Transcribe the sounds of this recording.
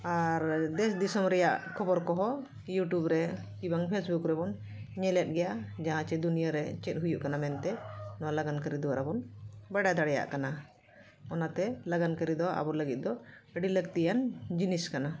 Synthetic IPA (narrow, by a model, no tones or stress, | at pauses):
aɾd̪ɛsd̪isɔmɾɛjaʔkʰɔbɔɾkɔɦɔ | juʈubɾɛ | kibaŋpʰesbukɾɛbɔn | ɲɛlɛt̪̚ˀɡɛjaʔd͡ʒaɦãt͡ʃɛd̪unijaɾɛt͡ʃɛt̪̚ɦujuʔkanamɛnt̪ɛnɔwalaɡankəɾid̪ɔwaɾabɔnbəɽajd̪aɽɛja̰ʔkana | ɔnat̪ɛlaɡankəɾid̪ɔa̰bɔɾləɡit̪̚d̪ɔɖilək̚t̪ijand͡ʒiniskana